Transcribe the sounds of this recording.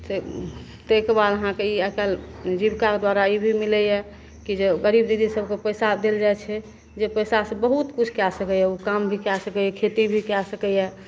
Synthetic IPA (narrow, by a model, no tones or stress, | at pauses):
se | t̪ekbaləɦãkeiɛkald͡ʒibkaked̪waɾaibʱimilɛjɛ | kid͡ʒeɡəɾibd̪id̪isəbʱkepəjsad̪eld͡ʒajt͡ʃʰɛ | d͡ʒepəjsasə̃bəɦut̪kut͡ʃʰkasəkɛjɛukambʱikasəkɛjɛkʰet̪ibʱikasəkɛjɛ